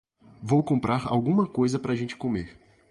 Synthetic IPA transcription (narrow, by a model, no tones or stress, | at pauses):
vowkõmpɾaɾa̰wɡũmɐkojzɐpɾɐaːʒẽt͡ʃɪ̥komeɾ